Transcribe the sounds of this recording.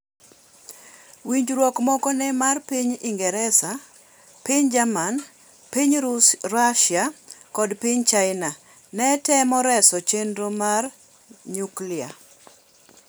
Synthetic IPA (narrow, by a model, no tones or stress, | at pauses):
wiɲd͡ʒɾwɔkmɔkɔnɛmarpiɲiŋɡɛɾɛsa | piɲd͡ʒaman | piɲɾaʃjakɔdpiɲt͡ʃaɪna | nɛtɛmɔɾɛsɔt͡ʃendɾomar | ɲuklia̰